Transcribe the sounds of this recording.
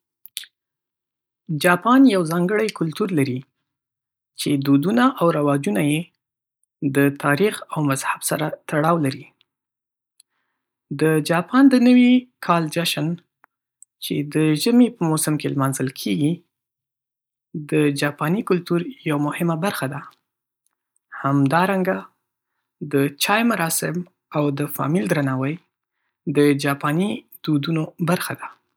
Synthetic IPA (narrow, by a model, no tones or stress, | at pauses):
d͡ʒɑpɑnjawzɑŋɡəɽajkʊlt̪uɾlaɾi | t͡ʃed̪od̪unaʔawɾawɑd͡ʒunaje | d̪ət̪ɑɾixawmazhabsaɾat̪aɽɑwlaɾi | d̪əd͡ʒɑpʰɑnd̪ənəwikʰɑld͡ʒaʃən | t͡ʃed̪əʒəmepəmosəmkelmɑnzəlkʰeɡi | d̪əd͡ʒɑpɑnikʊlt̪uɾjawmʊhɪmabaɾxad̪a | hamd̪ɑɾaŋɡa | d̪ət͡ʃɑjmaɾɑsɪm | awd̪əfɑ̰mild̪ɾanɑwəj | d̪əd͡ʒɑpɑni | d̪ud̪unobaɾxad̪a